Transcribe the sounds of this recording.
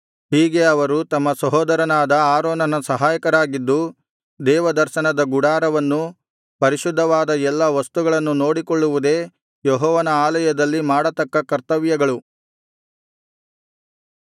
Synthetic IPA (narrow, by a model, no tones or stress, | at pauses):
ɦiːɡe̞ɐʋɐɾut̪ɐmːɐsɐɦɔːd̪ɐɾɐnaːd̪ɐaːɾɔːnɐnɐsɐɦaːjɐkɐɾaːɡid̪ːu | d̪ɛːʋɐd̪ɐɾʃɐnɐd̪ɐɡuɽaːɾɐʋɐnːu | pɐɾiʃud̪ʱːɐʋaːd̪ɐɛlːɐʋɐst̪uɡɐɭɐnːuno̞ːɽikɔɭːuʋud̪e̞ː | jɛɦɔːʋɐnɐaːlɐjɐd̪ɐlːimaːɽɐt̪ɐkːɐkɐɾt̪ɐʋjɐɡɐɭu